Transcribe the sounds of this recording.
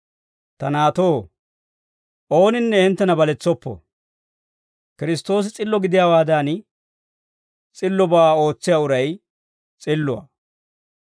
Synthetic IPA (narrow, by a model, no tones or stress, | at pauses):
t̪ɐnaːt̪o̞ː | ʔo̞ːnɪnːɛhɪnt̪ːɐnɐbɐlɛt͡sːɔpːɔ̰ | kɪɾɪst̪o̞ːs̬ɪt͡sʼɪlːɔɡɪd̪ɪjaːwaːd̪aːn | t͡sʼɪlːɔbao̞ːt͡sːɪjaːʊɾɐj | t͡sʼɪlːʊɐ̰